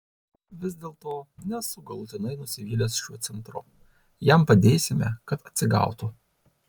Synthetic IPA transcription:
ʋʲɪzʲd̪ʲeːlˠt̪oːnʲɛsʊɡɐlˠʊt̪ʲɪnɐɪnʊsʲɪʋʲiːlʲeːsʃʲuɔt̪sʲɛnt̪ɾʊ̰ | jɛmpɐd̪ʲeːsʲɪmʲɛ̰kɐt̪ɐt̪ʲsʲɪɡɑ̰ˑʊt̪ʊ

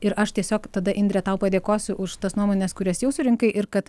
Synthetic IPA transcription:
ɪɾʔɐʃt̪ʲiɛsʲoːkt̪ɐd̪ɐʔɪnʲd̪ʲɾʲɛt̪ɐʊpɐd̪ʲeːkoːsʲʊʔʊʃt̪ɐsnuɔmoːnʲɛskʊɾʲɛsjɛʊsʊɾʲɪŋkɐɪʔɪɾkɐt̪

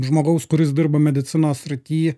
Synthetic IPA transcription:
ʒmoːɡɐʊskʊɾʲɪs̬d̪ʲɪɾbɐmʲɛd̪ʲɪt̪sʲɪnoːssʲɾʲɪt̪ʲiː

